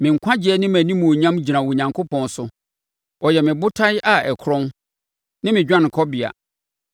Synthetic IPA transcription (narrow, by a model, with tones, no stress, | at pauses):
mɪ̃˨ŋ̩˨kʷʰã˦d͡ʑɪ˨ɛ˦nɪ̃˦mæ̃˨nĩ˦mũ˨o˨ɲã˦md͡ʑi˨ɾã˨wɔ˨ɲã˨ŋkʰo˦pʰɔ̃˨n˦sʊ˦ | ɔ˨jɛ˨mɪ̃˨bʊ˦tʰa˦jʔa˨ɛ˨kʰɾɔ̃˦n | nɪ̃˦mɪ̃˨d͡ʑᶣã˦ñ˨kʰɔ˦bɪ˨a̰˨